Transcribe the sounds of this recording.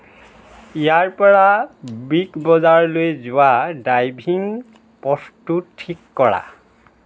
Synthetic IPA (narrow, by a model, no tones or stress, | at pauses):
ijaɹpɔɹabiɡbɔzaɹlojzʊwadajbʱiŋ | pɔstuttʰːikːɔɹa̰